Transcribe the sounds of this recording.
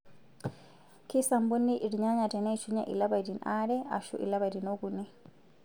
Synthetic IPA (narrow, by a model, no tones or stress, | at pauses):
kisambunːiʔiɾɲaɲatanɛt͡ʃuɲa̰ʔḭlabadinʔaɾɛʔa̰ʃṵʔḭlabadinoɡuni